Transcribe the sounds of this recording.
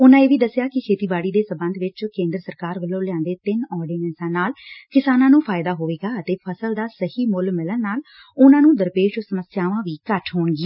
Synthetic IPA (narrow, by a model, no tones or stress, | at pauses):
ʊnãːeːʋiːd̪əsjaːkɪkʰeːt̪iːbaːɽiːd̪eːsəmbə̃nd̪ʋɪt͡ʃkẽːnd̪ɾəsəɾkaːɾʋəlːõːlɪãːnd̪eːt̪ɪnɔːɾɖiːnɛːnsãːnaːlkɪsaːnãːnũːpʰaːjɪd̪aːɦoːʋeːɡaːət̪eːpʰəsəld̪aːsəhiːmʊlmɪlənnaːl | ʊnãːnũːd̪əɾpeːʃosəməsjaːʋãːʋiːkəʈʰɦoːɳɡiː